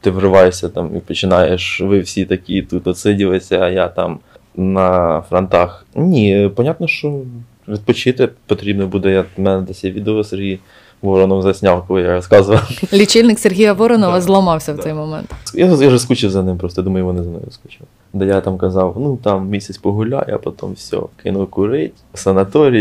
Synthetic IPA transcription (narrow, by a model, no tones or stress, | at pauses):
t̪ɪʋrɪʋɑjʊsʲɐt̪ɑmḭpɔt͡ʃɪnɑjeʃʋɪwsʲit̪ɐkʲit̪ut̪ɔt̪sɪdʲiʋɪsʲɐːjat̪ɑm | nɐfɾɐnt̪ɑxnʲipɔnʲat̪nɔʃt͡ʃɔ | ʋʲid̪̚pɔt͡ʃɪt̪ɪpɔt̪ɾʲibnɔbud̪ɛjamɛnɛd̪ɛsʲjɛʋʲid̪oʋɔserɦʲij | ʋɔɾɔnɔmzɐsʲnʲawˠkɔlˠɪjaɾɔskɑzʋɐwlʲit͡ʃɪlʲnɪkserɦʲijɐʋɔɾɔnɔʋɐzlˠɐmɑwsʲɐwt̪ɛjmɔmɛ̰nt̪jajaʒɛskut͡ʃɪwzɐnɪmpɾɔst̪ɔjd̪umɐjʊʋɔnɪzɐnɔ̰jʊskut͡ʃɪ | d̪ɛjat̪ɑmkɐzɑwnut̪ɑmmʲisʲet͡sʲpɔɦʊlʲa̰jɐ̰pɔt̪ɔ̰mfsʲɔ̰kɪ̰nʊkʊɾɪtʲsɐnɐt̪ɔɾʲi